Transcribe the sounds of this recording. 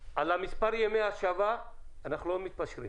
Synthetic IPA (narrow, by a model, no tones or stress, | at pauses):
ɐlamispɐɾjemeaʃava | ɐnɐxlomit̪̚pɐʃɾḭ